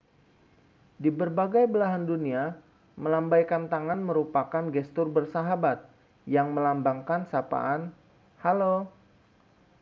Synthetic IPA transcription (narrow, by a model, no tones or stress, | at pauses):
dibərbaɡajbəlaɦandunia | məlambajkant̪aŋanməɾupakanɡɛst̪ʊrbərsaɦabat̪̚ | jaŋməlambaŋkansapa̰ʔan | halo